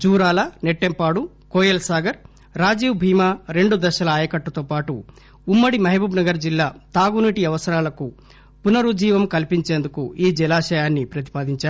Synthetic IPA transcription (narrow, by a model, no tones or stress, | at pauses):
d͡ʒuːɾaːlɐneʈːempaːɽu | koːjɐlsaːɡɐɾː | aːd͡ʒiːʋbʱiːmaːɾe̞ɳɖud̪ɐʃɐlɐaːjɐkɐʈːɐt̪oːpaːʈuː | mːɐɽimɐɦibʱɐbnɐɡɐɾd͡ʒilːaːt̪aːɡuniʈiɐʋɐsɐɾaːlɐku | punɐɾud͡ʒiːʋɐmkɐlpiɲt͡ʃeːnd̪ukuiːd͡ʒilaːʃɐjaːnːipɾɐt̪̬i̥paːd̪iɲt͡ʃaːɾ